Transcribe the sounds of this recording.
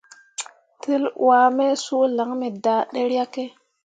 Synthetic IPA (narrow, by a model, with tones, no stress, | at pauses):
tʰi˦lwaː˨˦me˦su˦la˨˦ŋme˨daː˨ɗe˦ɾa˦ke˦